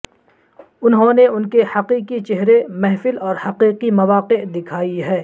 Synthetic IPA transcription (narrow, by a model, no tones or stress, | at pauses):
ʊnɦõneʊnkehɐqiːqit͡ʃeɦɾemɛɦfɪlɔːɾhɐqiːqimɐʋaːqed̪ɪkʰaːiɦɛː